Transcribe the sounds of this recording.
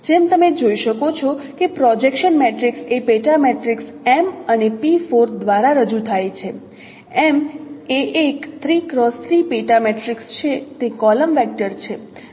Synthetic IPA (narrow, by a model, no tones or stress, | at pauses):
d͡ʒemt̪əmed͡ʒoiʃəkot͡ʃʰɔkepɾɔd͡ʒekʃənmeʈɾiksepeʈameʈɾiks | ɛmənepifoɾd̪ʋaɾaɾəd͡ʒut̪ʰajt͡ʃʰe | emeʔekt̪ʰɾikɾɔst̪ʰɾipeʈameʈɾikst͡ʃʰet̪ekɔləmʋɛk̚ʈəɾt͡ʃʰe